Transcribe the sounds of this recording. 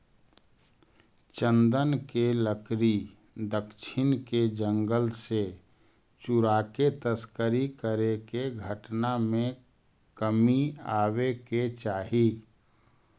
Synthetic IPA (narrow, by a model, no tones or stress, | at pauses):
t͡ʃə̃nd̪ənkeləkɾi | d̪əkʃʰɪnked͡ʒə̃ŋɡəlse | t͡ʃʊɾaːket̪əskəɾikəɾekeɡʱəʈnamẽ | kəmiaːweket͡ʃaːɦi